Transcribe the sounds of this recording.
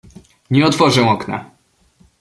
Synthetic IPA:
ɲɛɔt̪fɔʐɛw̃ɔkna̰

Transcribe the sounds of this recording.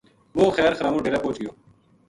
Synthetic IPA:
moːxɛːɾxəɾaːmõːɖeːɾaːpoːt͡ʃɡəjoː

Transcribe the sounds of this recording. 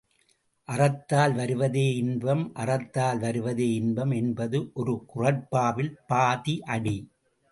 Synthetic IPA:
ʔɐrɐt̪ːaːlʋɐɾɯʋɐðeːɪnbɐmʔɐrɐt̪ːaːlʋɐɾɯʋɐðeːɪnbɐmɛnbɐðɯʔɔɾɯkʊrɐɾpːaːʋɪlpaːðiʔɐɽi

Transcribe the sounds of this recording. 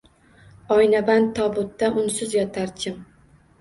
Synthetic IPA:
ɒjnaban̚t̪ʰːɒbʊt̪ːaʔʊnsʊzjɒt̪ʰaɾt͡ʃʰɪm

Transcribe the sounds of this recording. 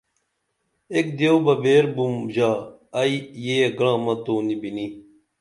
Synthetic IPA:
ek̚d̪jowbɐbeːɾbumʑaː | ɐijeːɡɽãːmɐt̪oːnibini

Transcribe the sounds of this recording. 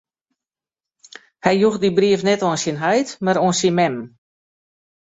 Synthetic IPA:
hɛjjuxdibriəfnɛtɔənsinɦajtmaɾoːnsinmɛm

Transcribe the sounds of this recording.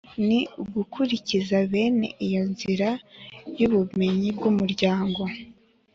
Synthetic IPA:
niuɡukʰuɾicizaβe̞ːne̞̰ʔijo̞nziɾajuβume̞ɲib̚ɡumuɾɟaːŋɡo̞

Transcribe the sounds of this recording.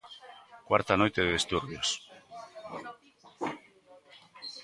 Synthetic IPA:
kwaɾt̪ano̞jt̪eðeðest̪uɾβios

